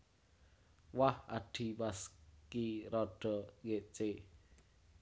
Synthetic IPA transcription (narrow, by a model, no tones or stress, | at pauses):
waha̰ɖ̥i̤paskiɾɔɖ̥ɔ̤keʔt͡ʃe